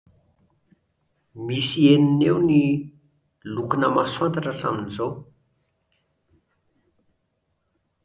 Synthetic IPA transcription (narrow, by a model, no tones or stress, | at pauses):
misieninewni | lukunəmasant̪aʈ͡ʂəʈ͡ʂa̰minizow